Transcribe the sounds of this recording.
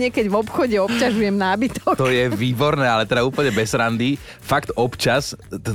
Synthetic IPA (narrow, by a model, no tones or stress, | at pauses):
ɪɛkɛɟvɔpxɔɟɛɔp̚caʒujɛmnaːbit̪ɔkt̪ɔjɛʋiːbɔɾnɛːalɛt̪ɛd̪auːpl̩ɲɛbɛzɾand̪i | fakt̪ɔpt͡ʃas